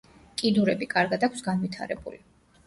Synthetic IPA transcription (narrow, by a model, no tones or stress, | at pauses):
kʼid̪uɾɛbikʼaɾɡad̪akʷʰsɡanvit̪ʰa̰ɾɛbṵli